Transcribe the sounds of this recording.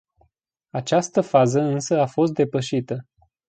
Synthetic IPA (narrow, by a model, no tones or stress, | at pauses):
at͡ʃast̪əfazəɨnsəafo̞st̪̚d̪e̞pəʃit̪ə